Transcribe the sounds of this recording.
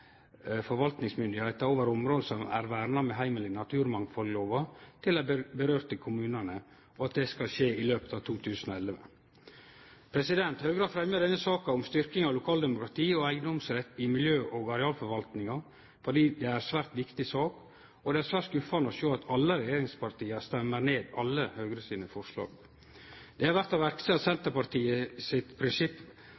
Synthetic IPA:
fɔɾʋɑlt̪nɪŋsmʏnd̪ɪhæɪt̪ɑɾoːʋəɾɔmɾoːd̪əsɔmæ̰ɾʋæːɾnɑmɛɦæɪməlɪnɑt̪ʰʉːɾmɑŋfɔlloːʋɑt̪ʰɪlæbəɾøːɾt̪ʰɪlkʰʊmʉːnɑnə | ɔɑt̪̚d̪ɛskɑlʃeːɪløːpə̥t̪ɑʋt̪ʰuːt̪ʰʉːsən̩ɔɛlʋə | pʰɾɛsɪd̪ɛnt̪hœːɡɾɑːd̪fɾɛmjəɾd̪ɛnːəsɑːkɑɔmst̪ʏɾkɪŋɑʋlʊkʰɑːld̪ɛmʊkɾɑt̪ʰiːɔæɪɡənɔmsɾɛt̪ːɪmɪljøːʔɔɡɑɾɛɑːlfɔɾʋɑlt̪nɪŋɑ | fɔɖiːd̪ɛæɾsʋæːɾt̪ʋɪkt̪ɪsɑːk | ɔd̪ɛæɾsʋæːɾʈskʉfɑnəɔʃoːɑt̪ʰɑlːəɾɛjeːɾɪŋspʰɑɾt̪iːəst̪ɛmːəɾneːd̪ɑlːəhøɡɾəsiːnəfɔɾʂlɑ̰ːɡ | d̪̥ɛhɑɾʋæɾt̪ɑʋæɾksəsɛnt̪əpɑɾt̪iːəsɪt̪pʰɾɪnsɪpː

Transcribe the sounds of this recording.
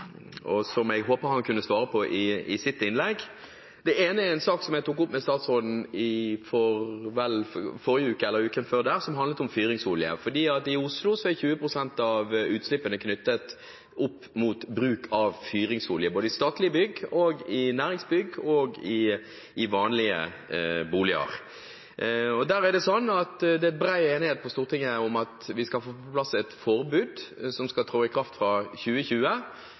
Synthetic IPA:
ɔsɔmɛɪɡɦoːpəhɑnkʰʉnːəsʋɑːɾəpʰɔʔɪɪsɪt̪ːɪnlɛɡ | d̪̥ɛeːnəɛnsɑːksɔmɛɡt̪ʰuːk̬ːʊpːmɛst̪ɑːt̪sʁoːd̪n̩ɪfɔɾʋɛlfɔɾjəʉːkəɛlːəɾʉːkənføːʁd̪æːʁsɔmɦɑnd̪lət̪ɔmfyːɾɪŋsʊːljə̰fɔd̪iːɑt̪ɪʊslʊsɔɛçʉːəpʰʁʊsɛnt̪ɑʋʉːt̪slɪpːənəkʰnʏt̪ːət̪ | ʊpː | muːt̪bɾʉːkʰɑʋfyːɾɪŋsʋʊljəboːd̪əɪst̪ɑːt̪lɪəbʏɡːɔɡɪnæːɾɪŋsbʏɡɔɡɪ | ɪʋɑːnlɪə̰ | buːlɪə̰ɾ | ɔd̪æɾæɖ̪ɛsɔnːɑt̪d̪ɛɛt̪̚bɾæɪeːnɪheːt̪̚pʰɔst̪uːʁt̪ʰɪŋːəʊmɑt̪ʋɪskɑlfoːpɔplɑsɛt̪fɔɾbʉːd̪sɔmskɑlt̪ʰɾoːɪkʰɾɑft̪fɾɑçʉːəçʉːə

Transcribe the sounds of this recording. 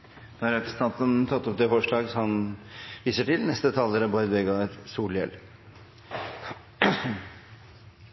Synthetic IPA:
d̪ɑɾɛt̪st̪ɑt̪ənt̪ʰɑt̪ːɔp̚d̪ɛfɔʂɭɑːɡsɔhɑnʋiːsəʈɪlnɛst̪ət̪ʰɑːləɾəbɔɾd̪ʋɛɡɑɾsuːɭjɛ̰l

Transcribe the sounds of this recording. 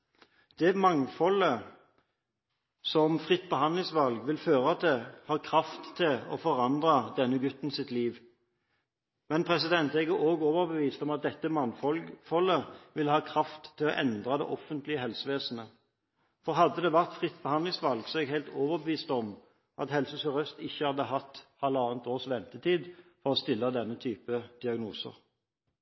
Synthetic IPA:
d̪̥ɛmɑŋfɔlə | sɔmfʁɪt̪ːbəhɑnd̪lɪŋsʋɑlɡʋɪlføːʁɑt̪̚d̪ɛhɑːʁkʰʁɑft̪ʰːɪlɔ̰fɔʁɑnd̪ʁɑd̪ɛnːəɡʉt̪ːn̩sɪt̪liːʋ | mɛnpʰʁɛsɪd̪ɛnt̪eɡəʔoːɡoːʋəʁbəʋiːst̪ɔmɑt̪̚d̪ɛt̪ːəmɑŋfɔlfɔlːəʋɪlːəhɑːkʰʁɑft̪ʰːɪlɔʔɛnd̪ʁɑd̪ɛ̰ʔɔfənt̪lɪəhɛlsəʋeːsənə | fɔʁɦɑd̪ːəd̪ɛʋæʁt̪fʁɪt̪ːbəhɑnd̪lɪŋsʋɑlɡsɔɛɡhæɪlt̪oːʋəʁbəʋiːst̪ɔm | ʔɑt̪hɛlsəsɔʁœst̪ɪçːəhɑd̪ːəɦɑt̪ːhɑləɑːnt̪oːʁsʋɛnt̪ət̪ʰiːd̪fɔʁɔst̪ɪlːəd̪ɛnːət̪ʰyːpəd̪̥ɪɑɡnuːsə̰ʁ

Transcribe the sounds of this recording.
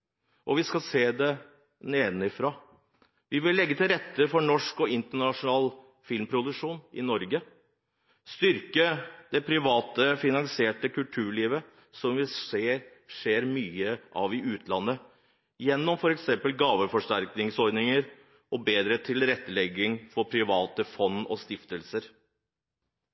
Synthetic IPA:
ʔɔʋɪskɑseːd̪ɛ | neːnɪfɾɑː | ʋɪʋɪlːɛɡːət̪ʰɪlɾɛt̪ːəfɔɳɔʂkɔɪnt̪əɳɑʂʊnɑːl | fɪlmpʰɾʊd̪ʉʂuːnʔɪ̰nɔɾɡə | st̪ʏɾkəd̪̥ɛpʰɾɪʋɑːt̪əfɪnɑnsɪeːʈəkʰʉlʈ̪ʰʉːɭiːʋə | sɔmʋɪe | ʂeːɾmyːəʔɑ̰ːʋɪʉːt̪ʰlɑnːə | jɛnːɔmfɔɾɛksɛmpəlɡɑːʋəfɔʂʈæɾknɪŋsɔɾd̪nɪŋəɾ | ɔbeːd̪ɾət̪ʰɪlɾɛt̪ːəlɛɡːɪŋfɔɾpʰɾɪʋɑːt̪əfɔnːɔ̰st̪ɪft̪əlsəɾ

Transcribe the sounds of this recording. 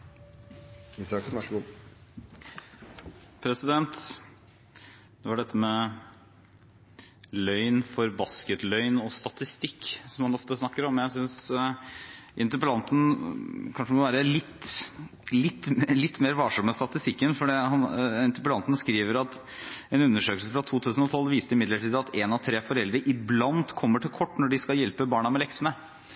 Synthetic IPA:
sɑ | pʰɾɛsɪd̪ɛnt̪ | d̪̥ɛʋɑɖɛt̪ːəmɛ | lœʏnfɔɾbɑskət̪lœʏnɔst̪ɑt̪ɪst̪ɪkːsɔmhɑnɔft̪əsnɑkːəɾɔmjæɪsʏns | ʔɪnt̪əɾpəlɑnt̪ənkʰɑnʂəd̪ɛmɔʋæːɾəlɪt̪ː | lɪt̪ːlɪt̪ːmeːɾʋɑːʂɔmːəst̪ɑt̪ɪst̪ɪkːənfɔɖihɑnɪnt̪əpəlɑnt̪n̩skɾiːʋəɾɑt̪ | ɛnʉnːəʂøːkəlsəfɾɑt̪ʰuːt̪ʰʉːsən̩ɔt̪ʰɔlːʋiːst̪əɪmɪd̪ləʈiːd̪ɑt̪ɛnɑʋt̪ʰɾeːfɔɾɛld̪ɾəʔɪblɑnt̪kʰɔmːəʈʰɪlkʰɔʈːnɔɖɪskɑljɛlpəbɑːɳɑmɛlɛksənə

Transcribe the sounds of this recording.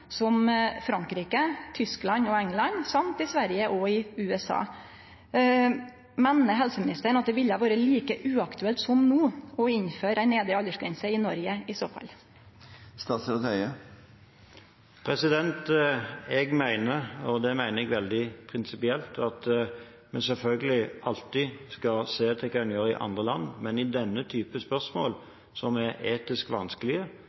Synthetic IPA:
sɔmfɾɑŋkɾiːkət̪ʰʏsklɑnɔɛŋlɑnsɑmt̪ɪsʋæɾjəʔɔɪʉːɛsɑ̰ː | mɛnːəɦɛlsəmɪnɪst̪əɳɑt̪̚d̪ɛʋɪlːəʋoːɾəliːkəʔʉːɑkt̪ʉɛlt̪sɔmnuːɔɪɲføːɾæɪneːd̪ɾəɑlːəʂɡɾɛnsəɪnɔɾjəɪsoːfɑ̰l | st̪ɑːt̪sət̪œʏə | pʰɾɛsɪd̪ɛnt̪ɛɡmæɪnəɔd̪ɛmæɪnəɛɡʋɛld̪ɪpʰɾɪnsɪpɪɛlt̪ʰɑt̪ | mɛsɛlfœlɡəlɪʔɑlt̪ɪskɑseːt̪ʰɪlkʰɑːɑnjøːɾɪ̰ʔɑ̰nd̪ʁəlɑnːmɛnɪd̪ɛnːət̪ʰyːpəspœʁsmoːl | sɔmɛeːt̪ɪskʋɑnskəlɪə

